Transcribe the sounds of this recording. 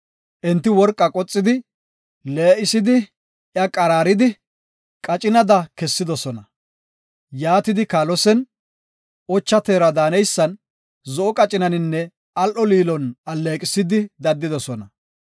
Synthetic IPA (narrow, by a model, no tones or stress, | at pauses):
ʔɛnt̪ːɪwɔɾkʼːɐkʼɔt͡sʼːɪd̪ɪ | leːʔɪsɪd̪ɪ | ʔjɐkʼɐɾaːɾɪd̪ɪ | kʼɐt͡ʃʼɪnɐd̪ɐkɛsːɪd̪ɔsɔnɐ | jaːt̪ɪd̪ɪkaːlɔsɛn | ʔɔt͡ʃːɐt̪eːɾɐd̪aːnɛjsːɐn | zɔʔɔkʼɐt͡ʃʼɪnɐnɪnːɛ | ɐlʔɔliːlɔnɐlːeːkʼɪsɪd̪ɪd̪ɐd̪ːɪd̪ɔsɔnɐ